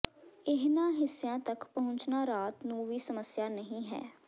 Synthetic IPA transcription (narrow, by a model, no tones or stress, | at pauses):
ɪɦnãːɦɪsjãːt̪əkpəɦʊ̃ɲt͡ʃnaːɾaːt̪nũːʋiːsəməsjaːnəɦĩːɦɛ̰ː